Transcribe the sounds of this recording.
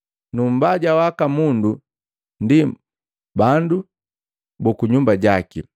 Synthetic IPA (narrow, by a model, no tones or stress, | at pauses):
num̩baɟawakamundu | ndi | bandu | bɔkuɲumbaɟaki